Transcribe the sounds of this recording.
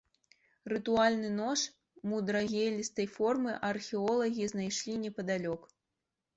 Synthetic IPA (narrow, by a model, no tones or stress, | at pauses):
rɨt̪ualʲnɨnɔʂ | mud̪ɾaɣʲelʲist̪ɐjfɔrmɨʔɐrxʲɛɔlˠɐɣʲiznajʂlʲinʲɛpɐd̪alʲɔk